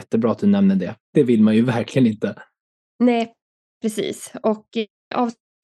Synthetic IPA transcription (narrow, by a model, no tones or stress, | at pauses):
t̪ːəbɾɑːat̪̚d̪ɵnɛmnəɖɛd̪̥ɛvɪlːmanjɵvæɾkʰlɪɡənɪnt̪ə | nɛː | pʰɾɛsḭːsɔk | ʔɑ̰ːv